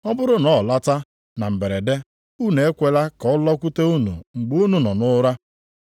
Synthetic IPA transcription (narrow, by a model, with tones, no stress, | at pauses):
ɔ˦bʊ˦ɾʊ˦nɔ˨la˦ta˦ | na˨m̩˨be˨ɾe˨de˦ | u˦˨ne˨e˦kʷe˨la˦kɔ˨ʊ˦lɔ˦kʷu˦te˦u˦nṵ˨ŋ͡m̩˨ɡ͡bu˦nu˨nɔ˨nʊ˦ɾa˦